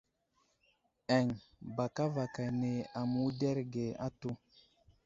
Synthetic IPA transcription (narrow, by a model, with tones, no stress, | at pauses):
ɛ˨ŋba˨ka˦va˨ka˨ne˨a˨mu˦dɛ˦ɾɡe˨a̰˦tu˦